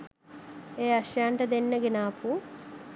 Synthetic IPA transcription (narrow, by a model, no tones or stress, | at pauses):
eːɐʃjaːɳʈɐd̪enːɐɡinaːpʰu